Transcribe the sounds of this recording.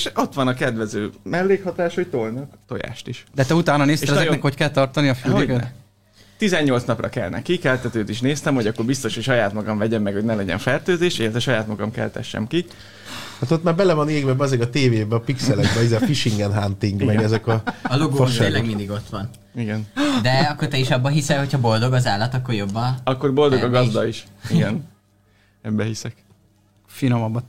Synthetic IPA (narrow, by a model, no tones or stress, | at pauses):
eʃo̞t̪ʋɒnɒkɛd̪ʋɛzøːmɛlːeːkhɒt̪aːʃho̞c̚t̪o̞lnɒkt̪o̞ja̰ːʃt̪iʃd̪ɛt̪ɛut̪aːnɒneːseːʃnɛzɛonɛkhockɛlt̪ɒrt̪ɒniɒfyːh | t̪izɛɲːo̞ltsnɒprɒ̰kɛ̰lnʔɛ̰kikɛlt̪ɛt̪øːt̪iʃneːst̪ɛmhoɟɒkːo̞rbist̪o̞ʃhocʃɒjaːt̪mɒɡɒɱvɛɟɛmːɛkho̞ɟnɛlɛɟɛ̰ɱfɛrt̪øːzeːʃelɛt̪ʋɛʃɒjaːt̪mɒɡɒmkɛ̰lt̪ɛ̰ʃːɛ̰mki | haːt̪ot̪maːɾbɛlɛvɒneːɡbɛbɛzɛkɒt̪eːveːbɛɒpiksɛlɛɡbɛizɛfiʃiŋɡɛnɦant̪iŋɡmɛɡɛzɛkɒloɡoːʃlɛɡind̪iɡo̞t̪ʋɒn | iɡɛnd̪ɛɒkːort̪ɛiʃɒbːɒɦisɛho̞chɒbo̞ld̪o̞ɡɒzaːlːɒt̪ɒkːo̞rjo̞bːɒɒkːo̞rbo̞ld̪o̞ɡɒɡɒzd̪ɒiʃiɡɛn | ɛbːɛɦisɛk | finomɒbːɒ